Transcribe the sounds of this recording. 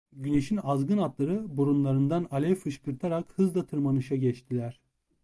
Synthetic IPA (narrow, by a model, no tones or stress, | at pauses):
ɟyneʃinazɡɯnat̪lˠaɾɯbuɾunlˠaɾɯnd̪analʲɛfɯʃkʰɯɾt̪ʰaɾakhɯzd̪ˠat̪ʰɯɾmanɯʃaɟɛt͡ʃt̪ʰilʲæɾ̥